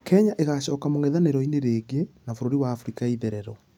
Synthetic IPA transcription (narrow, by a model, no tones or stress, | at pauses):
kʰɛɲaʔeɣaɕɔkamoŋɛðaneɾɔineɾeːɡenafoɾoɾiwaːfɾikaiðɛɾɛɾɔ